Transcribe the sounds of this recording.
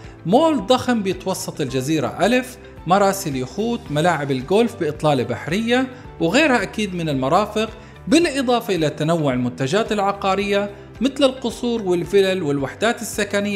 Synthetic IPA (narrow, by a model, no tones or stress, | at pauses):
moːld̪ˤɑxmbɪjɪt̪wɑsˤːɑt̪ˤɪld͡ʒaziːɾa̰ʔalɪf | mɑɾˤɑːsɪljʊxuːt̪malaːʕɪbɪlɡoːlfbɪʔɨt̪ˤlɑːlabaħɾɪjːa | wɪɣeːɾhaʔakiːd̪mɪnɪlmɑɾˤɑːfɪq | bɪlʔɨd̪ˤɑːfɑʔɪlat̪anawːʊʕɪlmʊnt̪ad͡ʒaːt̪ɪlʕɑqɑːɾɪjːa | mɪt̪lɪlqʊsˤuːɾwɪlfɪlalwɪlwaħd̪aːt̪ɪsːakanɪjː